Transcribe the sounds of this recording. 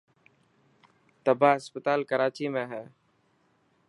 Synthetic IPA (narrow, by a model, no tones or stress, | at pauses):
t̪əbʱaːɦəspət̪aːlkəɾaːt͡ʃiːmẽːɦɛː